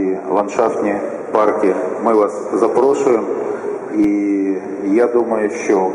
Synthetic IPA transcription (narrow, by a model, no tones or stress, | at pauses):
ilˠɐnʂaft̪nʲɪj | parkʲɪmɨvaszɐpɾoʂʊjɪm | i | jad̪uməjʊɕːo